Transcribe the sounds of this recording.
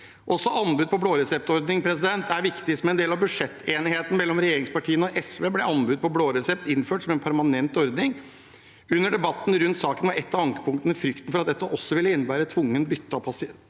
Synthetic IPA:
ʔɔsːɔʔɑnbʉd̪̚pʰɔbloːɾɛsɛp̚t̪ɔɾd̪nɪŋpʰɾɛsɪd̪ɛnt̪æɾʋɪkt̪ɪsmɛnd̪eːlɑʋbʉʂɛt̪ːeːnɪheːt̪n̩mɛlːɔmɾɛjeːɾɪŋspɑʈʰiːənɔʔɛsʋeːblɛɑnbʉd̪̚pʰɔbloːɾɛsɛp̚t̪ɪnːføːʈsɔmɛnpʰæɾmɑnɛnt̪ɔɾd̪nɪŋ | ʉnːəɖɛbɑt̪ːn̩ɾʉnt̪sɑːkənʋɑɾɛt̪ːɑɑŋkə̥pʰʊŋkt̪ənəfɾʏkt̪ənfɔɾɑt̪̚d̪ɛt̪ːəʔɔsːɔʋɪlːəɪnːəbæːɾət̪ʰʋʊŋːənbʏt̪ːəɑpʰɑsɪ

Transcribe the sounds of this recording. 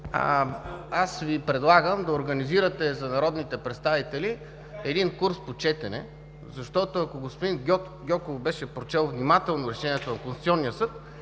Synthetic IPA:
asvipɾɛd̪lˠaɡəmd̪ɐoɾɡɐniziɾət̪ɛzɐnɐɾɔd̪nit̪ɛpɾɛt̪st̪avit̪ɛli | ɛd̪inkuɾspot͡ʃɛt̪ɛnɛ̰ | zɐʃt̪ɔt̪oɐkoɡospod̪in | ɡʲɔkovbɛʃɛpɾot͡ʃɛlˠvnimat̪ɛlˠnoɾɛʃɛniɛt̪onɐkõnsi̥t̪sʲiɔnːijəsɤt̪

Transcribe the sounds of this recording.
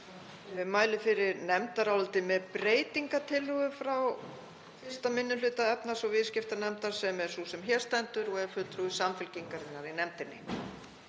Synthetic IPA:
vɪðmaːjlɪfɪɾɪɾnɛmt̪aɾawlt̪ɪmɛðpɾeːjt̪iŋkat̪ʰɪlʏɣʏfɾaw | fɪ̥st̪amɪnːʏlʏːt̪aɛpnasɔɣvɪðscɪft̪anɛmt̪aɾ̥sɛmɛɾ̥susɛmçɛɾ̥st̪ɛnt̪ʏɾɔɣɛɾfʏt̪ɾuʏsamfɪlciŋkaɾɪnːaɾinɛmt̪ɪnːɪ̰

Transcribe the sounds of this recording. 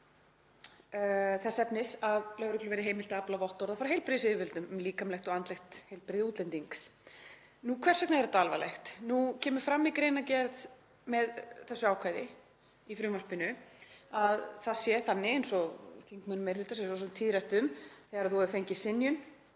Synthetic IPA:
θɛsːɛpnɪsaðlœɣɾʏkʰlʏvɛɾðɪɦeːjmɪlt̪aaplavɔht̪ːɔɾðafaɾaɦejlpɾɪðsɪðɪvɪlt̪ʏmliːkamlɛxt̪ɔɣant̪lɛxt̪hejlpɾɪðɪuːt̪lɛnt̪iŋks | nukʰvɛr̥sœknaɛɾθat̪alvalɛ̰xt̪nucʰɛːmʏɾfɾamːikɾejnacɛɾð | mɛðθɛsːʏaːwkʰvajðɪ | ifɾʏːmar̥pɪnʏaðθaðsjɛθanːɪejnsɔθiŋkmʏnmejɾhɪlt̪asɛsɔs̬ʏmt̪ʰːiðɾɛht̪ʏmθɛɣaɾaðθuvɛɾðʏfeɲcɪsɪnjʏn

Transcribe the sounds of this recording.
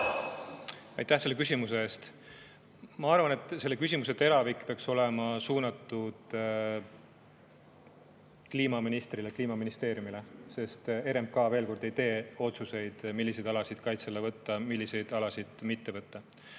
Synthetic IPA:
ɑjt̪ːæhse̞lːekys̬ʲimus̬eeːst̪ | mɑɑrvɑne̞t̪ːˑse̞lːe̞kys̬ʲimus̬e̞t̪e̞ɾɑvikːˑpeɑkso̞le̞mɑsuːnɑt̪ːˑud̪̥ | kliːmɑminist̪rilekliːmɑminist̪e̞ːɾjumile̞se̞st̪e̞ɾemkɑːve̞ːlko̞rd̪e̞jt̪e̞ːo̞t̪suse̞jd̪̥milːise̞jd̪ɑlɑsid̪̥kɑjt̪selːevɤt̪ːɑmilːise̞jd̪̥ɑlɑsid̪̥mit̪ːe̞vɤt̪ːɑ

